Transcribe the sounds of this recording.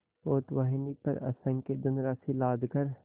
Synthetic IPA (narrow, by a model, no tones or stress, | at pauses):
poːt̪ʋaɦnipɐ̰ɾɐ̰sə̃ŋked̪ʊnɾaːsilaːd̪kəɾ